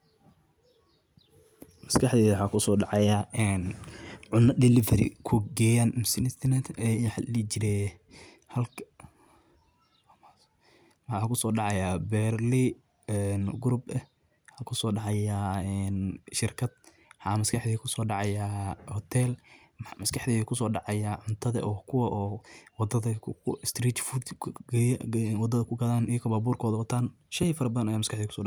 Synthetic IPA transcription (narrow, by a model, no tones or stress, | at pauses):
mɐskʰɐħðiːwħɑːkʰʊsɔːɖɑʕɑjaːɛːnʕʊnːɐdɪlɪfɐɾɪ̰kʰʊɡɛːjanmɪsɪnɪst̪ʰɛnɛt̪ʰɛħlit͡ʃɪɾɛ | hɐlkʰ | wħɑːkʰʊsɔːɖɑʕɑjaːbɛːrli | ɛnɡʊɾʊbɛ | ħɑkʰʊsɔːɖɑʕɑjaːɛːnʃɪrkʰɐd̪̥̚ | ħɑːmɐskʰɑħd̪iːkʰʊsɔːɖɑʕɑjaːhɔt̪ʰɛːl | mħmɐskʰɐħd̪iːkʰʊs̬ɔːɖɑʕɑjaːʕʊnt̪ʰɐðɐ̰ʔɔːkʰʊwɐʔɔːwɑd̪ɐðɐst̪ɾiːt͡ʃfud̪ɡjwɑd̪ɐðɐkʰʊɡɐðaːnijkʰɐbaːbuːrkʰɔːðɐwɐt̪ʰaːn | ʃɛjfɐɾɐbɐðɐnɐjaːmɐskʰɑħd̪iːkʰʊ̥sɔːɖɑʕ